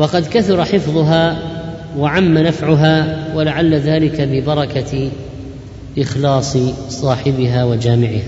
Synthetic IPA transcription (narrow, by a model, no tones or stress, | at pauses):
wɑqɑd̪kaθʊɾˤɑħɪfðˤʊɦaː | waʕamːanafʕʊɦaːwalaʕalːaðaːlɪkabɪbɑɾˤɑka | ʔɪxlɑːsˤɨsˤɑːħɪbɪɦaːwad͡ʒaːmɪʕɪhaː